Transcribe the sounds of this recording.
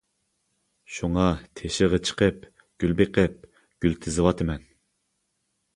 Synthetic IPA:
ʃuŋɑt̪ʰeʃɪʁət͡ʃʰə̥qʰəp̚ | ɡ̥ʲylbeqʰəp̚ | ɡ̥ʲylt̪ʰɪzɨwɑt̪ʰɨmɛn

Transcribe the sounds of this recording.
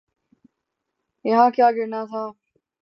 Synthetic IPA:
ɪɦãːkjaːɡɪɽnaːt̪ʰaː

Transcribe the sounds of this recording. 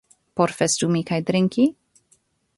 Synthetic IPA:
pɔɾfɛst̪umikajd̪ɾɪŋkʲi

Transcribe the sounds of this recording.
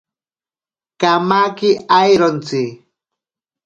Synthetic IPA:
kamakɪajɾont͡sɪ

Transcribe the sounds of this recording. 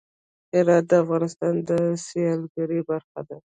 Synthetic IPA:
ɪɾɑt̪̚d̪əafɣɑnɪst̪ɑnd̪əsjɑlɡaɾibaɾxa̰d̪a

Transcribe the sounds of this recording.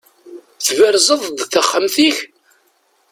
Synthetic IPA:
θvəɾzˤəðˤd̪ˤθəχːəmθiç

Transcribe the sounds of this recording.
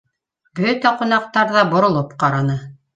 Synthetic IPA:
bɵt̪æqunɑq̚t̪ɑɾðɑbŏɾŏlˠopqɑɾɑnɤ

